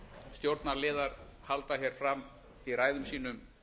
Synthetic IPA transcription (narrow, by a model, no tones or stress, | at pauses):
st̪jowɾt̪naɾlɪːðaɾhalt̪açjɛɾ̥fɾam | iɾaːjðʏmsiːnʏm